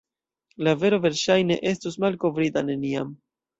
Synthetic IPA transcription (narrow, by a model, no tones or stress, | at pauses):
lave̞ɾo̞ve̞ɾʃajne̞̰ʔe̞stusmalko̞vɾitane̞niam